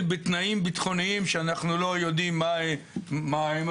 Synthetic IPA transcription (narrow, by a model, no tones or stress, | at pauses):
bet̪naimbit̪χo̞niimʃeanaχnulo̞jo̞d̪imːa | maem